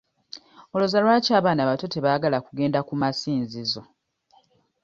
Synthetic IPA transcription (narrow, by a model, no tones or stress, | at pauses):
o̞lozalwaːcaːβaːnaβato̞te̞βaːɡalakuɡe̞ːndakumasiːnzizo̞